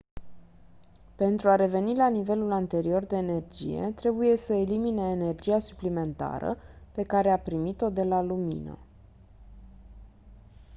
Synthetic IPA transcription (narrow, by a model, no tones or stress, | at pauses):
pe̞nt̪ɾuaɾe̞ve̞nilanive̞lulant̪e̞ɾio̞rd̪e̞ːne̞rd͡ʒḭje̞̰t̪ɾe̞buje̞səelimineːne̞rd͡ʒiasuplime̞nt̪a̰ɾə̰pe̞kaɾe̞apɾimit̪o̞d̪e̞lalumḭnə̰